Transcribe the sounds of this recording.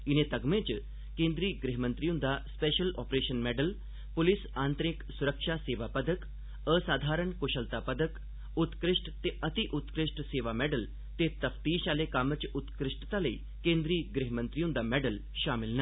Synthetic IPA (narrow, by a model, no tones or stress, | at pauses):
inet̪əɡmẽt͡ɕ | kẽnd̪ɾiːɡɾiɦmənt̪ɾijũnd̪aspeɕəlɔ̰pɾeɕənmɛɖəl | pulisant̪ɾiksuɾəkʂaseʋapəd̪ək | əsaːd̪ʱaɾəɳkoɕəlt̪apəd̪ək | ut̪kɾiʂʈt̪eʔət̪iʔut̪kɾiʂʈseʋamɛɖəl | t̪et̪əft̪iːɕalekamət͡ɕut̪kɾiʂʈət̪alei | kẽnd̪ɾiːɡɾiɦmənt̪ɾijũnd̪amɛɖəl | ɕamilnə